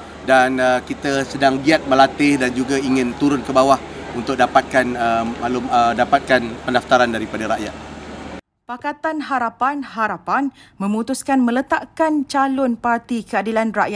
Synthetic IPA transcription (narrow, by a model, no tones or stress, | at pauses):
danəkit̪asədaŋɡiat̪̚mə̃lat̪ɪhdand͡ʒuɡaiŋɪ̃nt̪uɾʊnkəbawah | unt̪ʊk̚dapat̪̚kanəalʊmədapat̪̚kanpəndaft̪aɾandaɾipadaɾaʔjat̪̚ | pakat̪anɦaɾapanɦaɾapanmə̃mut̪uskanmə̃lət̪aʔkant͡ʃalʊnpart̪ikəadilanraʔja